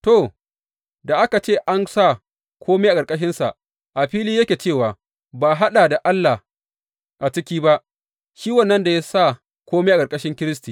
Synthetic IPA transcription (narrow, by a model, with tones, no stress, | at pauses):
to˦˨ | da˨ʔa˦ka˨t͡ʃeː˦˨ʔa˦nsa˦˨ | kʰʷoː˦meː˦ʔa˨kʼɐ˨kʼɐ˦ʃ̬ɪ˦nsa˨ | ʔa˨ɸiː˦liː˦jɐ˦kʲeː˨t͡ʃeː˦˨waː˨ | baː˨ɦa˦ɗaː˨da˨ʔa˦lːa˨ | ʔa˨t͡ʃɪ˦kʲiː˦ba˦ʔ | ʃiː˦wɐ˦˨nːɐ˦nda˨ja˦sa˦˨ | kʷoː˦meː˦ʔa˨kʼɐ˨ɾkʼɐ˦ʃɪ˦ŋkʲɪ˦ɾɪ˦stiː˨